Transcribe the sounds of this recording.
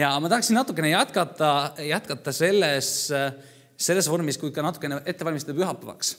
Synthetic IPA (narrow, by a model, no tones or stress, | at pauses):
jɑmɑt̪ɑɦɑksinːɑt̪ːˑukːˑe̞nejæt̪̚kɑt̪ːˑɑjæt̪kɑt̪ːˑɑse̞lːes | e̞lːe̞svo̞rmiskujd̪̥̚kɑnɑt̪ːˑu̥kːˑeneʔe̞t̪ːe̞vɑlʲmist̪ɑd̪̥pyɦɑpːˑɑvɑ̰ks